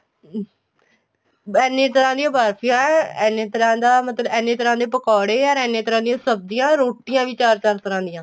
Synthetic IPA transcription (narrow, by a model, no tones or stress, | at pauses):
ɛːnːẽːt̪əɾãːd̪ijãːbaːɾpʰijãːɛɛːnẽːt̪əɾãːd̪aːmət̪ləbɛːneːt̪əɾãːd̪eːpəkɔːɽeːəɾɛːnẽːt̪əɾãːd̪ijãːsəb̚d̪ɪjãːɾoːʈɪjãːʋiːt͡ʃaːɾt͡ʃaːɾt̪əɾãːd̪ɪjãː